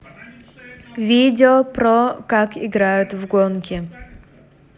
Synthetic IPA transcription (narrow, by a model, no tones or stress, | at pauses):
vʲidʲɪopɾokakɪɡɾajʊt̪vɡonkʲɪ